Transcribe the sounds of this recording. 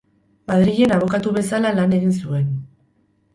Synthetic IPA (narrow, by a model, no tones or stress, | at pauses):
maðɾiʎe̞naβ̞o̞kat̪uβe̞salalane̞ɣ̞ins̬ue̞n